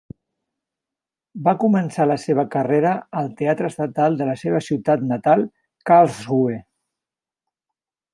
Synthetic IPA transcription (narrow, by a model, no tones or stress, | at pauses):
bakumənsaləseβ̞əkəreɾəəlˠt̪eat̪ɾəst̪ət̪alˠd̪ələseβ̞əsiwt̪at̪nət̪alˠ | kalˠzɣue